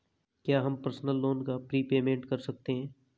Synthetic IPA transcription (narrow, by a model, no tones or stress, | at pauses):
kjaːɦɐmpɐɾsnəlːoːnkapɾiːpeːmẽːɳʈkɐɾsɐk̚t̪eɦɛ̃ː